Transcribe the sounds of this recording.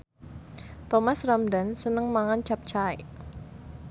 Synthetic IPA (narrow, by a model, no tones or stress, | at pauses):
t̪ɔmasramdansənəŋmaŋant͡ʃap̚t͡ʃae